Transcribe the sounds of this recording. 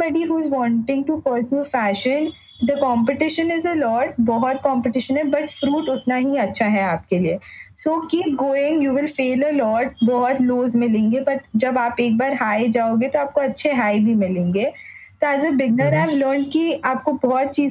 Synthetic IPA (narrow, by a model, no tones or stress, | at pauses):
ɔɖiɦuːɪzʋɔ̃ːɳʈɪ̃ŋʈupəːɾsjufæːʃə̃n | d̪əkɔ̃ːmpɪʈɪʃə̃nɪzəlɔːʈ̚bɔɦɔt̪̚kɔ̃ːmpɪʈɪʃə̃nɦɛbɐʈfɾuːʈʊt̪naɦiɐtːʃʰaɦɛaːp̚keliesoːkiːp̚ɡoːɪ̃ŋjuːʋɪlfeːləlɔːʈ̚bɔɦɔt̪loːzmɪlẽːŋɡepɐɾd͡ʒɐbaːpeːk̚baːɾɦaːjd͡ʒaːoːɡet̪oaːp̚koɐtːʃʰeɦaːɪbʱimɪlẽːŋɡeː | t̪oazəbɪɡ̚nəɾaɪvləːɾɳɖ̚kiaːp̚kobɔɦt̪̚t͡ʃiː